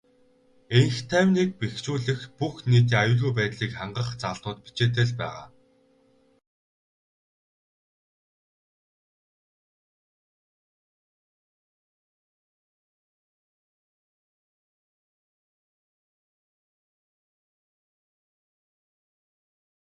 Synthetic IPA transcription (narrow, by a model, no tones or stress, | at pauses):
eŋxt̪ʰæwʲnik̚pext͡ɕuːɮɘ̆xpuxniːt̪̬iːŋajʊːɮɣujpæːt̪ɮiːkχaɴɢə̆χt͡saɮnʊːt̪pi̥t͡ɕeːt̪̬ĕɮpæ̰ːʁa̰ː